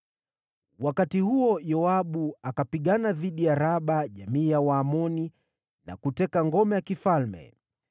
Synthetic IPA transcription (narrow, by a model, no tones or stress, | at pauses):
wakatihuɔjɔaɓuakapiɠanaðiɗijaɾaɓaʄamiːjawaːmɔni | na̰kutɛkaŋɡɔmɛjakifalmɛ̰